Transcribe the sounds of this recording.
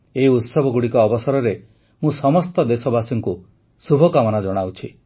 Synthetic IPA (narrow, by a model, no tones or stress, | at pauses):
eiut̪sɔbʱɔɡuɽikɔːbɔsɔɾɔɾe | mũsɔmɔst̪ɔd̪esɔbasɔŋku | subʱɔkamɔnad͡ʒɔɽ̃awt͡ʃʰi